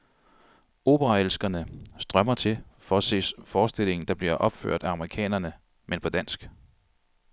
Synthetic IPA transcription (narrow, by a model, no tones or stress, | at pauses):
o̝̰ːb̥əʁɑ̈elsɡ̥ɐnəsd̥ʁɶmɐt͡sʰe̝lfɒæse̝̰ːsfɒːsd̥e̝le̝ŋn̩d̥ɑ̈b̥liɐʔɒ̽b̥fø̰ɐ̰d̥æɑ̈mɐʁikʰɛ̰ːnɐnə | menpʰɒ̽d̥æn̰sɡ̥